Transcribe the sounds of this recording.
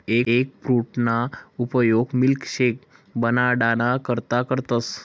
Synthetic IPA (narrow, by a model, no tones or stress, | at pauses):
eek̚pɾuʈnaupəjoɡmilkɕek | bənaɽanakəɾt̪akəɾt̪as